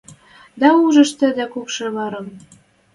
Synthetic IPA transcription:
d̪ɑuʒə̆ʃt̪ə̆d̪ækukʃĕβɑɾɤm

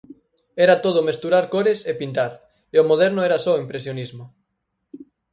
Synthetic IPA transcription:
ɛɾat̪oð̞ʊmest̪uɾaɾkoɾesepint̪aɾ | eomoð̞ɛɾnʊɛɾasɔoimpɾesjonizmʊ

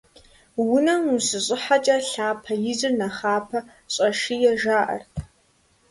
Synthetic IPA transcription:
wʊnɐmusɨɕʼɪħat͡ʃʼɐɬaːpʰɐjɪzɨrnɐχaːpʰɐ | ɕʼɐʂijɛʒaːʔɐ̰rtʰ

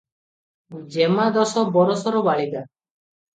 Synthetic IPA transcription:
d͡ʒemad̪ɔsɔbɔɾɔsɔɾɔbaɭid̪a

